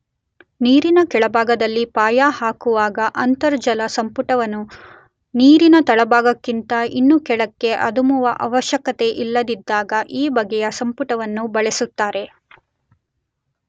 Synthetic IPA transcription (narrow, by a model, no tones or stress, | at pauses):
niːɾinɐkɛɭɐbʱaːɡɐd̪ɐlːipaːjaːhaːkuʋaːɡɐʔɐnt̪ɐɾd͡ʒɐlɐsɐmpuʈɐʋɐnːu | niːɾinɐt̪ɐɭɐbaːɡɐkːint̪ɐinːukɛɭɐkːe̞ʔɐd̪umuʋɐʔɐʋɐʃjɐkɐt̪e̞ʔilːɐd̪id̪ːaːɡɐʔiːbɐɡɛjɐsɐmpuʈɐʋɐnːubɐɭesut̪ːaːɾe̞